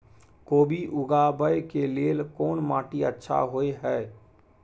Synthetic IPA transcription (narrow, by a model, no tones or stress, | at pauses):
koːbʱiʔʊɡabəjkeleːlkoːnmaːʈiətːʃʰa̰ɦoeɦɛː